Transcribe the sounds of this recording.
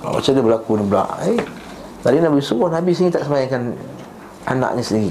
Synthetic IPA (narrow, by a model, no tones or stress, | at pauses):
ba̰ma̰t͡ʃadəbəlakunibəla̰ʔe | t̪alinabisubʊnabisinĩt̪aʔsəmajaŋkan | a̰nã̰ʔɲisəndiɾi